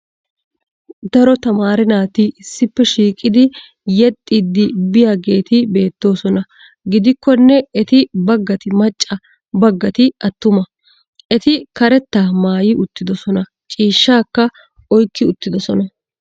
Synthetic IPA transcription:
d̪ɐɾɔt̪ɐmaːɾɪnaːt̪ɪɪsːɪpːɛʃiːkʼɪd̪ɪ | jɛt̪ʼːid̪ːɪbɪjaːɡe̞ːt̪ɪbe̞ːt̪ːo̞ːsɔnɐ | ɡɪd̪ɪkːɔnːɛɛt̪ɪbɐɡːɐt̪ɪmɐt͡ʃʼːɐ | bɐɡːɐt̪ɪɐt̪ːʊmɐ | ʔɛt̪ɪkɐɾɛt̪ːaːmaːjɪʔʊt̪ːɪd̪ɔsɔnɐ | t͡ʃʼiːʃːaːkːɐ | ɔjkːɪʊt̪ːɪd̪ɔsɔnɐ

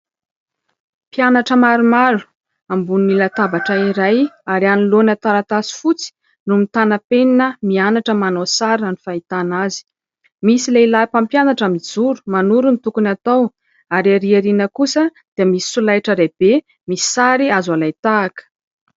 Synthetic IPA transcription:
pianaʈ͡ʂəmaɾumaɾu̥ | ambuninilat̪abaʈ͡ʂaiɾajaɾianilonat̪aɾat̪asi̥fut͡si̥ | numit̪anapeninəmianaʈ͡ʂəmanosaɾanifait̪anazi̥ | misileilapampjanaʈ͡ʂəmid͡zuɾu̥manuɾunit̪ukunat̪aw | aɾaɾiaɾinəkusə | d̪̥iamisi̥sulajʈ͡ʂəɾeb̥e | mii̥saɾiazalajt̪aːkə̥

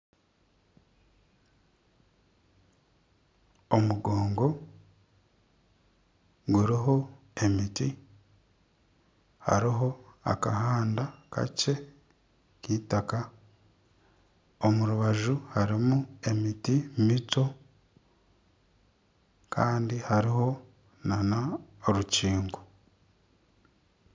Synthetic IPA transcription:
omuɡoːŋɡo̞ | ɡuɾiɦo̞ | e̞miti | ha̰ɾiɦo̞a̰kaɦaːndakʰa̰ce̞ | kiːtaka | omuɾuβaʒuhaɾimue̞mitimito̞ | kʰaːndihaɾiɦo̞ | nanaɾuciːŋɡo

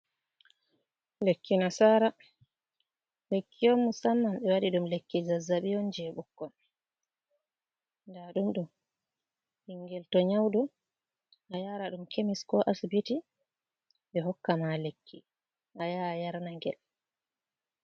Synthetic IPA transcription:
lekːinasaːɾa | lekʰːiomːusamːanɓɛwaɗiɗumlekːizazːaɓijɔnd͡ʒɛɓukːɔn | ndaɗumɗɔ | iŋɡɛltɔɲawdɔ | ʔajaɾaɗumkemiskɔʔasbiti | ɓɛɦɔkːamalekʰːi | ʔajajaɾnaŋɡɛ̰l

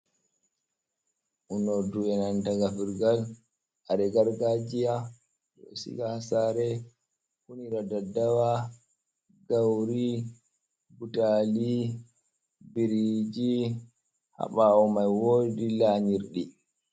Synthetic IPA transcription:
ʔunoduɛnantaɡafiɾɡal | ʔaɾɛɡaɾɡad͡ʒija | ɗɔ̰sḭɡasaɾɛ | kuniɾadadawa | ɡawɾi | butali | biɾid͡ʒi | ha̰ɓaɔmajwoːdilaɲiɾɗi

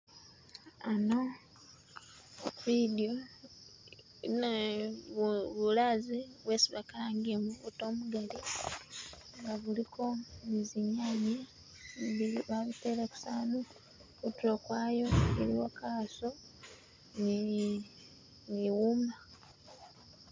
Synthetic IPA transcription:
ano | βidio | ne | βulaziβwe̞ːsiβakalaːŋɡiemuβuto̞ːmuɡali | ŋɡaβulikʰo̞niziɲaːɲi | βiβaβiteleku̥saːno | kutuɾokwaːjo̞ḛɾḭwakaso | ni | niwuma

